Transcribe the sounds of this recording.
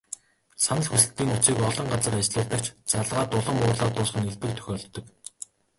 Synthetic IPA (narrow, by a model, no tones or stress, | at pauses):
sanə̆ɮxusɘ̆ɬt̪iːŋut͡siːkɔɮɞ̆ɴɢat͡sə̆rat͡ɕɮʊːɮt̪ə̆kt͡ɕt͡saɮʁaːt̪ʊɮə̆mʊːrɮaːt̪ʊːsχə̆neɮpɘ̆k̚t̪ʰœ̥xʲɔːɮt̪ːɞ̆k